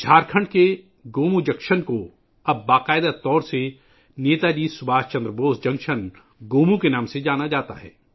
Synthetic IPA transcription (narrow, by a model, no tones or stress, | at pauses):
d͡ʒʰʱaːɾkʰə̃ɳɖke | ɡoːmũd͡ʒɐkʃənko | ɐbːaːqaːɪd̪at̪ɔːɾse | neːt̪ad͡ʒiːsʊbaːst͡ʃɐ̃nd̪ɾəboːsd͡ʒɐ̃ŋkʃən | ɡoːmũkenaːmsed͡ʒaːnad͡ʒaːt̪a̰ɦɛ̰ː